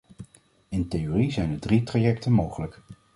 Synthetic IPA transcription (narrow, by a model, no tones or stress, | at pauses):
ɪntejorizɛjnədritrajɛktənmowχələk